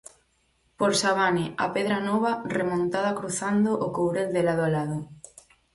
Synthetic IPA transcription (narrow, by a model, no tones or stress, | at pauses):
poɾsaβanɪa̰peðɾanɔβaremõnt̪aðakɾuθand̪oʔokowɾeld̪elaðoalaðʊ